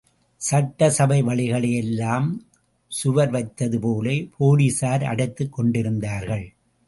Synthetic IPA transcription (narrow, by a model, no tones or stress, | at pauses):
sɐʈːɐsɐbɐɪʋɐɭɪɣɐɭɐjɛlːaːm | sʊʋɐɾʋɐɪt̪ːɐðɯpoːleːpʰoːlisaːɾɐ̰ɽɐɪt̪ːɯkːɔɳɖɪɾɯnd̪aːɾɣɐɭ